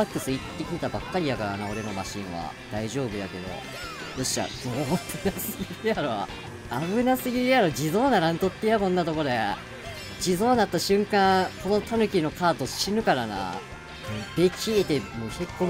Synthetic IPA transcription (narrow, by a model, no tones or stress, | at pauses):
akːɯ̟sɨit̪ːe̞kʲit̪et̪abakːaɾʲid̪akaɾanao̞ɾe̞no̞ma̰ɕḭ̃ɰ̃βa̰d̪̥aiʑo̞ːbɯ̟jake̞d̪o̞̰ | d̪̥oɕia̰d̪obɯnasɨɡʲiɾɯd̪ejaɾo | aβɯ̟nasɨɡʲiɾejaɾo̞d͡ʑizo̞ːnaɾãnt̪o̞t̪ːejamõnːat̪o̞ko̞d̪e̞ | d͡ʑizo̞ːnat̪ːaɕɨ̃ŋkãko̞no̞t̪ʰanɯ̟kʲino̞kʰaːt̪o̞ɕinɯ̟kaɾana̰ː | b̥e̞kʲʰiet̪e̞moçekːo